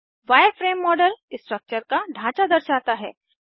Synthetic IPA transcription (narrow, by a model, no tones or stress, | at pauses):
ʋajəɾfɾemːɔɖəlsʈɾək̚t͡ɕəɾkaɖʱãt͡ɕad̪əɾɕat̪aɦɛ